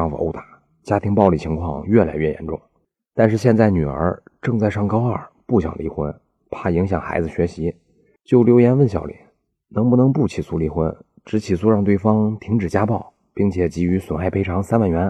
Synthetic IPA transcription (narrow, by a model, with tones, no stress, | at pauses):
ɑ˥˧ŋfo̰˥ʊt̪a˨˩˦ | t͡ɕja˥t̪ʰi˧˥ŋpɑ˥˧ʊli˥˩t͡ɕʰi˧˥ŋkʰwɑ̰˥˧ŋɥɛ˥˩la̰˧˥ɪɥɛ˥˩jɛ̰˧˥nʈ͡ʂʊ̰˥˩ŋ | t̪a˥˧nʂɻ̩˥˧ɕjɛ˥˧nt͡sa˥˩ɪny˨˩ə̰˞˧˥ʈ͡ʂɤ˥˧ŋt͡sa˥˧ɪʂɑ˥˩ŋkɑ˥ʊə˞˥˩ | pu˥˩ɕjɑ̰˨˩ŋli˧˥˩xwə̰˥n | pʰa˥˩i˧˥ŋɕjɑ˨˩ŋxa̰˧˥ɪd͡zɹ̩˧˩ɕɥɛ˧˥ɕi˧˥ | t͡ɕjo˥˩ʊljo˧˥ʊjɛ˧˥nwə˥˩nɕ̬jɑ˨˩ʊlḭ˨˧˩ | nɤ˧˥ŋpu˥˩nɤ˧˥ŋpu˥˩t͡ɕʰi˨˩su˥li˧˥xwə˧˥n | ʈ͡ʂɻ̩˧˥t͡ɕʰi˨˩su˥˧ɻɑ˥˧ŋt̪we˥˩ɪfɑ˥ŋt̪ʰi˧˥ŋʈ͡ʂɻ̩˨˩t͡ɕja˥pɑ˥˩ʊ | pi˥˩ŋt͡ɕʰjɛ˨˩t͡ɕi˧˥y˧˥swə˨˩nxa˥˩ɪpʰe˥ɪʈ͡ʂʰɑ˧˥ŋsa˥nwa˥˩nɥɛ˧˥n